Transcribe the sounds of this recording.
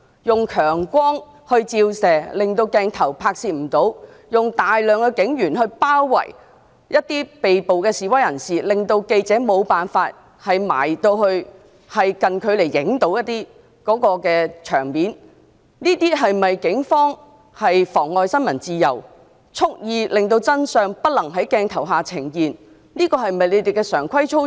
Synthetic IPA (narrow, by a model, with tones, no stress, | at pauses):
jʊ˨ŋkʰœː˨˩ŋkʷɔː˥ŋ | hɵ˧ɥt͡siː˧wsɛː˨˩lɪ˨ŋt̪o˧wkɛː˧ŋt̪ʰɐ˨˩wpʰaː˧k̚siː˨˧m̩˨˩t̪o˨˥w | jʊ˨ŋt̪aː˨jlœː˨ŋkɔː˧kɪ˨˥ŋjyː˨˩nhɵ˧ɥpaː˥wːɐ̰˨˩j | jɐ˥t̚t̪iː˥pe˨jpo˨wkɛː˧siː˨wɐ˥jɐ˨˩nsiː˨˩lɪ˨ŋt̪o˧wke˧jt͡sɛː˨˥mo˨˧wpaː˨nfaː˧t̚ | hɐ˨jma̰ː˨˩jt̪o˧whɵ˧ɥ | hɐ˨jkɐ˨nkʰɵ˨˧ɥle˨˩jːɪ˨˥ŋt̪o˨˥wjɐ˥t̪̚ːiː˥ | kɔː˨˥kɔː˧kɛː˧t͡ʃʰœː˨˩ŋmiː˨˥n | niː˥t̪iː˥ɦɐ˨jmɐ˨jkɪ˨˥ŋfɔː˥ŋ | hɐ˨jfɔː˨˩ŋɔː˨jsɐ˥nmɐ˨˩nt͡siː˨˧jɐ˨˩w | t͡sʰʊ˥k̚jiː˧lɪ˨ŋt̪o˧wt͡sɐ˥nsœː˨ŋpɐ˥t̚lɐ˨˩ŋɦɐ˨˥jkɛː˧ŋt̪ʰɐ˨˩wɦaː˨˩t͡sʰɪ˨˩ŋjiː˨n | niː˥kɔː˧ɦɐ˨jmɐ˨jle˨˧jt̪e˨jkɛː˧sœː˨˩ŋkʷʰɐ˥jt͡ʃʰo˥